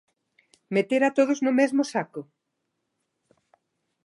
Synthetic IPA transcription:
met̪eɾat̪oð̞ʊznʊmɛzmʊsakʊ

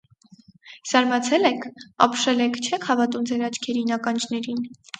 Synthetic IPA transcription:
z̥ɑɾmɑt͡sʰɛlɛkʰɑ̰pʰʃɛlɛkʰt͡ʃʰɛkʰhɑvɑt̪umd͡zɛɾɑt͡ʃʰkʰɛɾinɑkɑnd͡ʒnɛɾin

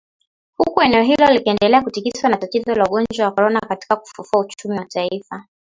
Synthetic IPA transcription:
hukuɛnɛɔɦilɔalikɛndɛlɛakutikiswanatatizɔlauɠɔnd͡ʒwawakɔɾɔnakati̥kaku̥fufuaut͡ʃumiwataifa

